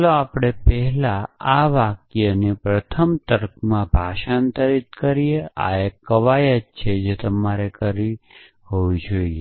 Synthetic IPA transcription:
loapɽ̃epɛɦɛlaaʋakjənepɾət̪ʰəmt̪əɾkʰmãbʱaʃant̪əɾit̪̚kəɾiea̰ekːəʋajət̪t͡ʃʰed͡ʒet̪əmaɾekəɾi | ɦoʋid͡ʒoie

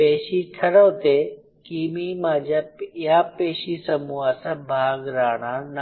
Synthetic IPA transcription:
peːʃiʈʰɐɾoːt̪e | kiːmimãːd͡ʑaɪɦaːpeːʃisɐmuasbʱaːɡɾaːɽ̃an

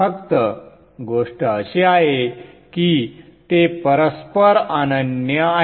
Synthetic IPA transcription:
əkt̪ə | ɡoʂʈəːɕeaɦekit̪epəɾəspəɾanənjəa

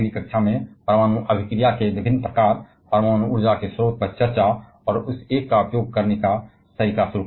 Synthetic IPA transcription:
likəkʃʰamẽpɾəmaːñuʔɐbʱɪkɾijakeʋɪbʱɪnːpɾəkaːɾ | pɾəmaːñuʊɾd͡ʒakesɾoːt̪̚pɐɾt͡ʃəɾt͡ʃa | ɔːɾʊseːkːaʊpjoːɡ̚kɐɾneka | səɾikasʊɾu

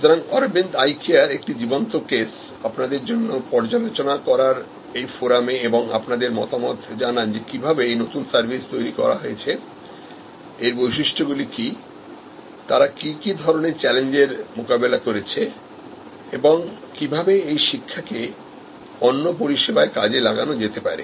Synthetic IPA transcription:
ʃut̪oɾaŋɔɾbend̪ajkiaɾek̚ʈid͡ʑibont̪okes | apnad̪eɾd͡ʑonːopɔɾd͡ʑalot͡ɕonakɔɾaɾ | ejfoɾameeboŋa̰pnad̪eɾmɔ̰t̪amɔt̪ʰd͡ʑanand͡ʑekibʱabeejnot̪unsaɾbʱist̪ojɾikɔ̰ɾa̰ɦojet͡ɕʰe | eɾbojʃiʃʈʰoɡuliki | t̪aɾakikid̪ʱɔɾoneɾt͡ɕɛleɲd͡ʑeɾmokabelakoɾet͡ɕʰe | eboŋkibʱabeejʃikʰːake | onːop̬oɾiʃebaekad͡ʑelaɡanod͡ʑet̪epa̰ɾḛ

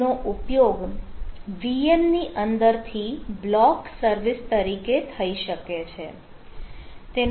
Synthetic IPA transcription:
oʔupjoɡ | ʋienniʔənd̪əɾt̪ʰiblɔksəɾʋɪst̪əɾiket̪ʰəiʃəket͡ʃʰe | t̪e

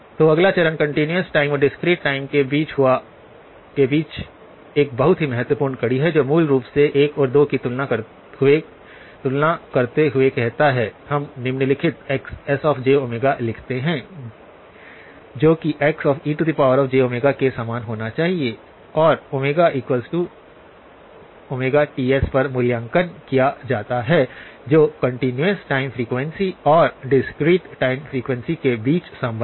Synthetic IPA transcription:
t̪oːɐɡlat͡ʃɐɾənkɐ̃ɳʈinjəsʈaːɪmɔɾɖɪskɾiːʈːaːɪmkebiːt͡ʃɦʊa | kebiːt͡ʃ | eːk̚bɐɦʊt̪ɦimɛɦət̪wəpuːɾnkɐɽiɦɛd͡ʒoːmuːlɾuːpseʔeːkɔːɾd̪oːkit̪ʊlnaɐ | ɦʊe | t̪ʊlnakɐɾt̪eɦʊekɛɦt̪aɦɛhɐmnɪmnelɪkʰɪt̪ɛːksɛsɔːfd͡ʒeːoːmeːɡalɪkʰt̪eɦɛ̃ː | d͡ʒoːkiʔɛːksɔːfiːʈud̪ipaːʋəɾɔːfd͡ʒeːoːmeːɡakesaːmaːnɦoːnat͡ʃaːɦie | ɔːɾomeːɡaʔiːkwəlsʈu | oːmeːɡaʈiːɛspɐɾmʊljãŋkənkijad͡ʒaːt̪aɦɛd͡ʒoːkɐ̃ɳʈɪnjuəsʈaːɪmfɾiːkʋɛ̃nsiɔːɾɖɪskɾiːʈʈaːɪmfɾiːkwɛ̃nsikebiːt͡ʃsɐ̃mbʱ

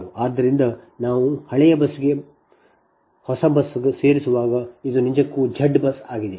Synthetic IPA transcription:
uaːd̪ːɐɾind̪ɐnaːʋuhɐɭɛjɐbɐsɡe̞ | hɔsɐbɐsɡese̞ːɾisuʋaːɡɐid̪uniɲd͡ʒɐkːuːd͡ʒʱɐɖːbɐsaːɡid̪e

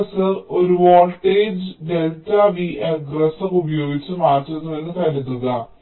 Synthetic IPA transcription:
sɨo̞ɾuʋoːlʈːeːd͡ʑɖe̞ltaʋiʔeɡrɐsɐrubɐjo̞ːɡit͡ɕːɨmaːrtːuɾunːuʋe̞nːɨt̪ɐɾunːuɣɐ

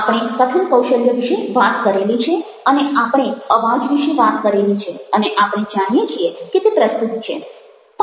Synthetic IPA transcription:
apɽ̃ekət̪ʰəɭkəwʃəljəʋiʃeʋat̪kəɾelit͡ʃʰe | əneʔapɽ̃eəʋad͡ʒʋiʃeʋat̪kəɾelit͡ʃʰeəneʔapɽ̃ed͡ʒaɽ̃ijet͡ʃʰieket̪epɾəst̪ut̪t͡ʃʰḛ | t̪

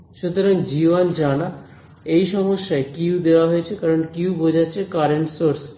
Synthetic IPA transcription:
ʃut̪oɾaŋd͡ʑiβand͡ʑana | ejʃɔmoʃːaekiwd̪eoaɦojet͡ɕʰekaɾonkiwbod͡ʑʱat͡ɕʰekaɾeɳʈsoɾs

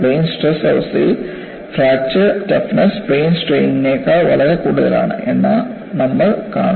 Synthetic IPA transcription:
ɾeːnsʈrɐsɐlsḭ | fɾaːk̚t͡ɕɐʈɐfnɐspɾeːnsʈɾejŋneːkːɐʋɐlɐɾekuːɽuðɐla̰ːɳɨ̰ʔenːaː | nɐmːɐɭkaːɳ

